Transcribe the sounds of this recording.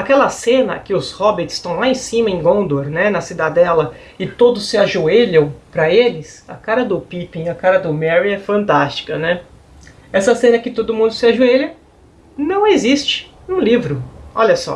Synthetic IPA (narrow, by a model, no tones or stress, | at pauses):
akɛlɐsẽnɐ̰kɪʊshɔbeɾt͡ʃɪ̥st̪ɐ̃w̃laẽsĩmɐẽj̃ɡõnd̪oɾnɛnɐsid̪ad̪ɛlɐ | ɪt̪od̪ʊsːɪaʒueʎɐ̃w̃pɾɐelɪsɐ̰kaɾɐd̪ʊpipĩɐkaɾɐd̪ʊmɛɾiɛfɐ̃nt̪ast͡ʃi̥kɐnɛ | ɛsɐsẽnɐkɪt̪od̪ʊmũd̪ʊsɪaʒueʎɐ | nɐ̃w̃ezist͡ʃɪ̥ | ũlivɾʊɔʎɐsɔ̰